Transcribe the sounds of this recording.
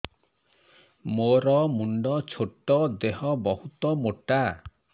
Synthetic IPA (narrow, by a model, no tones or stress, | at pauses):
moɾɔmuɳɖɔt͡ʃʰoʈːɔd̪eɦɔbɔɦut̪ɔmoʈa